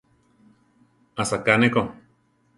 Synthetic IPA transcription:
asakaneko

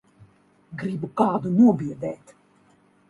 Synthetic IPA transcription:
ɡɾibukaːd̪unuɔbiəd̪ɛːt̪

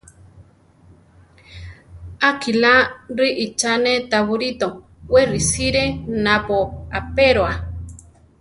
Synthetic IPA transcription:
akilaɾiʔit͡ʃanet̪aβuɾit̪o | werisiɾenapoapeɾoa

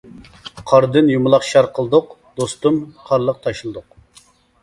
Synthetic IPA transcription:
qʰɑɾd̪ɨnjumʊlˠɑχʃɑɾqʰəlˠɨd̪ʊq | d̪ost̪umqʰɑɾlˠəq̚t̪ʰɑʃlˠɨd̪ʊq

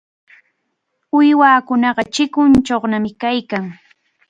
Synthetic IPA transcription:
ʊjwaːkʊnɑɢɑt͡ʃɪkʊnt͡ʃoχnamɪkajkaŋ

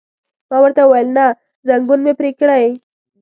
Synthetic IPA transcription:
mɑwəɾt̪awajlna | zaŋɡunmepɾekɽaj

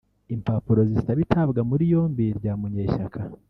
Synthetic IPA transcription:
impapuɾo̞zizitaβitʰaβɡamuɾijo̞ːmbiɾɟaːmuɲeːʃakʰa

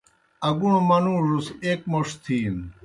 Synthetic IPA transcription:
ɐɡuɳ̃omɐnũːʐuseːkmoʂt̪ʰiːn

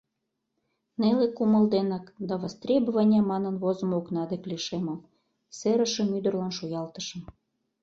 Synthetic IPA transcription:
nelekumə̆ld̪enɑkd̪ɑβɑst̪rʲebovanʲɑmɑnə̆nβozə̆moknɑd̪ekliʃeməm | seɾəʃə̆myd̪ə̆rlɑnʃojɑlt̪ə̥ʃə̆m

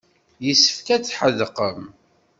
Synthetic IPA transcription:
jəsːə̥fkæt͡sːħəðqəm

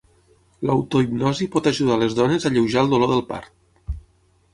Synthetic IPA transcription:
ləwt̪oibnɔzipɔt̪aʒuð̞aləzðɔnezaʎewʒalˠd̪uloðəlˠpa̰ɾt̪̚

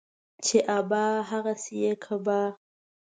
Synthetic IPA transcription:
t͡ʃeʔabaɦaɣasijekʰaba

